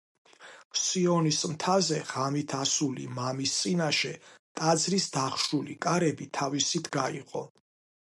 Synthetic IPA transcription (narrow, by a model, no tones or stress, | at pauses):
siɔnismt̪ʰazɛʁamit̪ʰasulḭmamist̪sʼinaʃɛt̪ʼad̪zɾisd̪aχʃulikʼaɾɛbit̪ʰavisit̪ʰɡaiqʼɔ